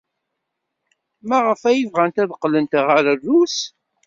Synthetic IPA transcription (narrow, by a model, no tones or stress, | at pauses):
mæʁəfæjəvʁænt̪æðəqːlənt̪ʁəɾərːus